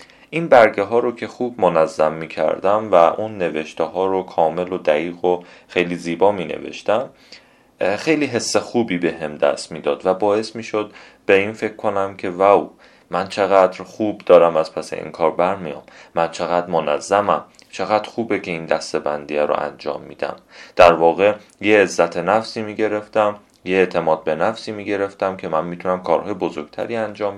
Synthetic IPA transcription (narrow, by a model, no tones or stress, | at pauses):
ʔinbæɾɟeɦɒːɾocʰe̞xuːbmonæzːæmːiːcʰæ̰ɾd̪æmvæʔunːeveʃt̪eɦɒːɾokʰɒːme̞lod̪æɣiːɣo | xejliːziːbɒːmiːnḛvḛʃt̪æm | xejliːɦe̞sːexuːbiːbe̞ɦe̞md̪æ̰st̪miːd̪ɒːd̪væbɒːe̞smiːʃod̪̚ | beiːnfe̞cʰkʰːo̞næmcʰe̞væw | mænt͡ʃʰe̞ɣæd̪ɾχuːbd̪ɒːɾæmæz̥pʰæse̞̰ʔḭnkʰɒːɾbæɾmijɒ̰mːænt͡ʃʰe̞ɣæd̪ɾmonæzːæmæm | t͡ʃʰe̞ɣæd̪̥ɾxuːbecʰe̞iːnd̪æst̪e̞bænd̪iːæɾo̰ʔæ̰nd͡ʒɒ̰ːmːḭːd̪æ̰md̪̥æɾvɒːɣe̞ | jeːzːæt̪ʰenæfsiːmiːɟe̞ɾe̞ft̪æm | jeet̪ʰe̞mɒːd̪̚be̞næfsiːmiːɟe̞ɾe̞ft̪æmcʰe̞mænmiːt̪ʰunæmkʰɒːɾhɒːjebozoɾɡ̥t̪ʰæ̰ɾiːænd͡ʒɒːm